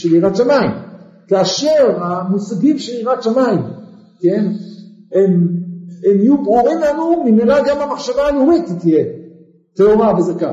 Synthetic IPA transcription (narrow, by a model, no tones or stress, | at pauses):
ʃeliʁat̪ʃamaim | kaːʃe̞ʁamusaɡimʃeliʁatʃamaim | ken | em | emijubʁuʁimlanumimiʁaɡamhamaχʃavaːlumit̪it̪ije | teoʁabezaka̰